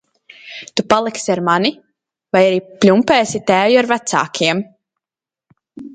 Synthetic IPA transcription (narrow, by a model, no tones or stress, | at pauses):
t̪upalˠiksiaɾmani | vajaɾiːplʲumpɛːsit̪æːwjiaɾvæt̪sa̰ːkʰiɛm